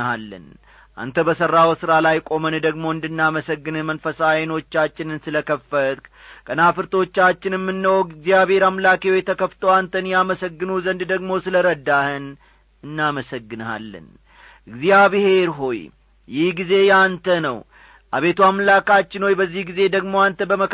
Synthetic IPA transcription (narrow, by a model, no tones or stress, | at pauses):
alːɨ̰n | ʔa̰nt̪ʰəbəsəɾːawsɨɾalajkʼo̞mənd̪əɡmo̞ɨnd̪ɨnːaməsəɡːɨnɨmənfəsajno̞t͡ʃːat͡ʃːɪnɨnsɨləkʰəfət̪k | kʼənafɨɾt̪ʰo̞t͡ʃːat͡ʃːɪnjɛmːɨnːəwɔɡɨɡzijaβhe̞ɾamlakewojɛt̪ʰəkəft̪ʰəwant̪ʰənjaməsəɡːɨnuzənd̪d̪əɡmo̞sɨləɾəd̪ːahɨn | ɨnːaməsəɡːɨna̰lːɨ̰n | ʔɨɡzijaβɨhe̞ɾɦo̞j | jɪhɡize̞jant̪ʰənəw | ʔa̰βe̞t̪ʰuamlakat͡ʃːɪnho̞jbəzːihɡize̞d̪əɡmo̞ant̪ʰəbəmə